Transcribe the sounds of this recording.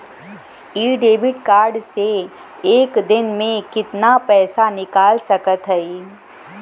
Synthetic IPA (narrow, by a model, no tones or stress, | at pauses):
iːɖeːbɪʈkaːɾɖse | eːkd̪ɪnmẽkɪt̪napɛːsanɪkaːlsɐkət̪ɦɛi